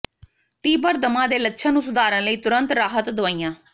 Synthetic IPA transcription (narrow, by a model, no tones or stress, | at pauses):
t̪iːbəɾd̪əmãːd̪eːlətːʃʰãːnũːsʊd̪aːɾə̃ːləiːt̪ʊɾənt̪ɾaːɦət̪d̪ʊaːijãː